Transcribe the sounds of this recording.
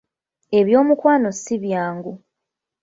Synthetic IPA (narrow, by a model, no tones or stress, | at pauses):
e̞βjo̞ːmukwaːno̞siβjaːŋɡu